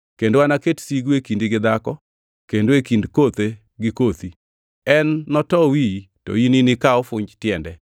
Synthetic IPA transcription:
kendoanaketsiɡwekindiɡɪd̪akɔ | kendoekindkot̪e | ɡɪkot̪i | ɛnːɔtɔwi | to̰ininɪkaɔfʊɲd͡ʒtjɛndɛ

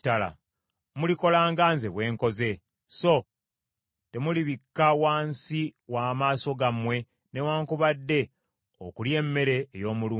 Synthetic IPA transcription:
tala̰ | muliko̞laːŋɡanzeβwe̞ːŋko̞ze̞ | so̞ | te̞muliβikːawaːnsiwaːmaːso̞ɡamwe̞ | ne̞waːŋkuβadːe̞ | o̰kulje̞ːmːe̞ɾe̞ːjo̞ːmuluː

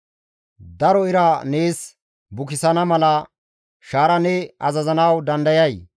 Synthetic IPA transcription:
d̪ɐɾɔɪɾɐne̞ːs | bʊkɪsɐnɐmɐlɐ | ʃaːɾɐnɛɐzɐzɐnɐwd̪ɐnd̪ɐjɐj

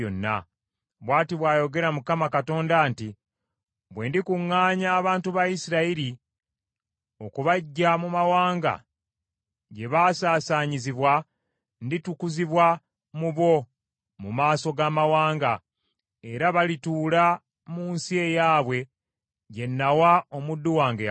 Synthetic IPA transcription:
o̰nːa̰ | βwaːtiβwaːjo̞ɡe̞ɾamukamakato̞ːndaːnti | βwe̞ːndikuŋːaːɲaːβaːntuβajisiɾaiɾi | o̞kuβaɟːamumawaːŋɡa̰ | ɟe̞βaːsaːsaːɲiziβwa | nditukuziβwa | muβo̞ | mumaːso̞ɡaːmawaːŋɡa | eɾaβalituːla | muːnsie̞jaːβwe̞ | ɟe̞nːawaomudːuwaːŋɡe

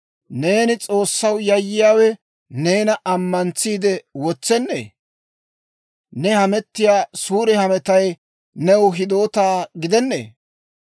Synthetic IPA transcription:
ne̞ːnɪt͡sʼo̞ːsːɐwjɐjːɪjaːwɛ | ne̞ːnɐʔɐmːɐnt͡sːiːd̪ɛwɔt͡sːɛnːḛː | nɛhɐmɛt̪ːɪjaːsuːɾɛhɐmɛt̪ɐj | nɛwʊɦɪd̪o̞ːt̪aːɡɪd̪ɛnːḛː

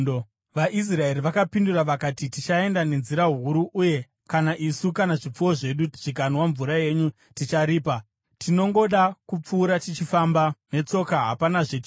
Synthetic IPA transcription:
ʋaʔis̬rae̞ɾiʋakapinduraʋakatitit͡ʃae̞ndane̞nziɾaɦuɾuʔːje̞ | kanaʔisukanaʐip͡fuwo̞ʐe̞ɗuʐ̥ik̬anowaɱvuɾaje̞ɲu | tit͡ʃaɾiːpa | tino̞ŋɡo̞ɗakup͡fuːɾatit͡ʃifambane̞t͡so̞kaɦapanaʐet͡ʃi

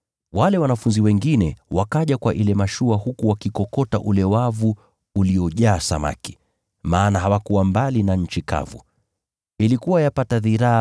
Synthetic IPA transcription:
walɛwanafunziwɛŋɡinɛwakaʄakwaʔilɛmaʃuahukuwakikɔkɔta̰ʔulɛwavuː | liɔʄaːsa̰ma̰ki̥ | maːnaɦawakuwambalinaɲ̩t͡ʃika̰vu | ilikuwajapataðiɾa

